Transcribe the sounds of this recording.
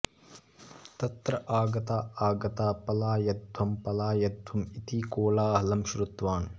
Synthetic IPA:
t̪ɐt̪ɾɐʔaːɡɐt̪aːaːɡɐt̪aːpɐlaːjɐd̪ʱwɐmpɐlaːjɐd̪ʱwɐmit̪iːkoːlaːɦlɐmʃɾut̪ʋaːn

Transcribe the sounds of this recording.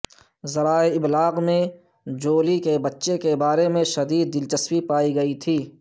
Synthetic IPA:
zɐɾaːeɪblaːɡmẽ | d͡ʒoːlikebɐtːʃekebaːɾemẽʃɐd̪iːd̪̚ːɪlt͡ʃəswipaːiɡɐit̪ʰiː

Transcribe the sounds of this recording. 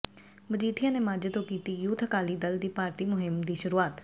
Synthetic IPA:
məd͡ʒiːʈʰɪjãːneːmaːd͡ʒət̪õːkiːt̪iːjuːt̪ʰəkaːliːd̪əld̪iːpaːɾt̪iːmʊɦɪmd̪iːʃʊɾuːaːt̪

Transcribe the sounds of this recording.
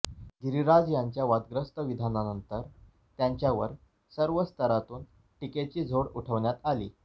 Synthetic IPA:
ɡiɾiɾad͡zjaɲt͡ɕjaʋad̪ɡɾəst̪əʋid̪ʱananənt̪əɾ | t̪jaɲt͡ɕjaʋəɾ | səɾʋəst̪ʰəɾat̪uːn | ʈiket͡ɕiːd͡zʱoɽuʈʰəʋɳjat̪alḭː

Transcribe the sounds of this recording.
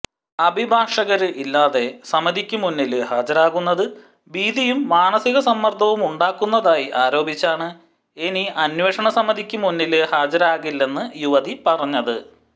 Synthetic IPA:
ɐbʱibʱaːʂɐɣɐɾɨʔilːaːðe̞sɐmɐd̪ʱikʲːumunːilɨhaːd͡ʑɐɾaːɣunːɐðɨ | biːd̪ijumːaːnɐsiɣɐsɐmːɐrd̪ʰʱɐʋumuɳɖaːkːunːɐðaːjiʔaːɾo̞ːbʱit͡ɕːaːɳɨ | eniɐnweːʂɐɳɐsɐmːɐd̪ʱikʲːumunːilɨhaːd͡ʑɐɾaːɣilːe̞nːɨjuʋɐðipɐrɐɲːɐðɨ

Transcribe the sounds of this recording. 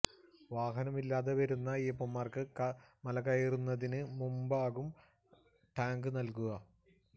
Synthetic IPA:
ʋaːɦɐnɐmilːaːðeʋɐɾunːɐipːomːaːrkɨkɐmɐlɐkɐjirunːɐðinɨmumbaːɣum | ʈaːŋɡɨnɐlkuɣɐ

